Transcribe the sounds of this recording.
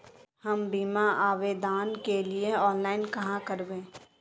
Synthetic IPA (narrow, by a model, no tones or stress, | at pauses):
hɐmbiːmaʔaːʋed̪aːnkelieɔːnlaːɪnkɐɦãkəɾbẽː